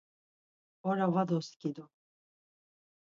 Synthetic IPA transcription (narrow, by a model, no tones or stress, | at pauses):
ɔɾavad̪ɔskid̪u